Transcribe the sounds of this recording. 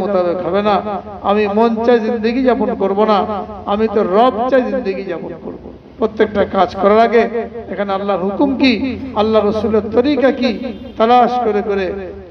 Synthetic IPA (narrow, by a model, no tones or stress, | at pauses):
mot̪abekɦɔbena | amimɔnt͡ɕaezind̪eɡid͡ʑaponkoɾbonaamit̪oɾɔb̚t͡ɕaezind̪eɡid͡ʑaponko̰ɾbo̰ | pɾot̪ːek̚ʈakad͡ʑkɔɾaɾaɡeekʰanealːaɾɦukumkialːaɾosuleɾt̪oɾikakit̪alaʃkoɾekoɾe